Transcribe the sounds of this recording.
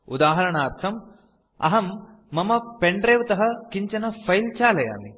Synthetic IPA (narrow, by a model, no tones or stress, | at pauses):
ud̪aːɦɐɾɐɳaːɾt̪ʰɐm | ɐ̰ɦɐmː | ɐmɐpeɳɖɾeːʋt̪ɐɦɐkiɲt͡ʃɐnɐfʰɐjlt͡ʃaːlɐja̰ːmi